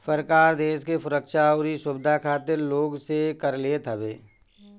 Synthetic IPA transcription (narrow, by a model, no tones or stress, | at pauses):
səɾkaːɾd̪eːskefʊɾəkʃaːʊɾisʊbɪd̪ʱakʰaːt̪eɾloːɡsekəɾleːt̪ʰəbeː